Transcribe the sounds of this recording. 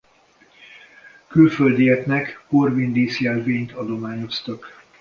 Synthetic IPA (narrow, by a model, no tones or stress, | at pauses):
kylføld̪iɛknɛkhorvind̪iːsjɛlveːɲt̪ɒd̪o̞maːɲo̞st̪ɒk